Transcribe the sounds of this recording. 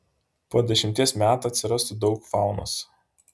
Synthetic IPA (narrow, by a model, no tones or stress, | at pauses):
poɔd̪ʲɛʃʲɪmʲt̪ʲiɛsmʲæːt̪uɐt̪ʲsʲɪɾɐst̪ʊd̪ɒʊkfɑˑʊno̰s